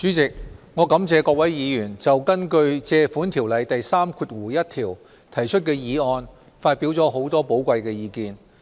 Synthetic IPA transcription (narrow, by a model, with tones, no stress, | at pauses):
t͡ʃyː˨˥t͡sɪ˨k̚ŋɔː˨˧kɐ˨˥mt͡sɛː˨˧kɔː˧k̚wɐ˨˥jjiː˨˧jyː˨˩nt͡sɐ˨wkɐ˥nkɵ˧ɥt͡sɛː˧fuː˨˥nt̪ʰiː˨˩wlɐ˨˧jt̪ɐ˨jsaː˥mkʰuː˧t̚wuː˨˩jɐ˥t̚t̪ʰiː˨˩w | t̪ʰɐ˨˩jt͡ʃʰɵ˥t̚kɛː˧jiː˨˧ɔː˧n | faː˧t̚piː˨˥wt͡sɔː˨˥ɦo˨˥wt̪ɔː˥po˨˥wkʷɐ˧jkɛː˧jiː˧kiː˧n